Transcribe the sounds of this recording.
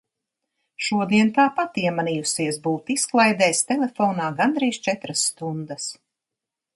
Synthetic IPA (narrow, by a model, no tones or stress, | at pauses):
ʃuɔd̪iɛnt̪aːpat̪iɛmanijusiɛsbuːt̪isklˠajd̪ɛːst̪ɛlefɔːnaːɡand̪ɾiːʃt͡ʃɛt̪ɾasːt̪und̪əs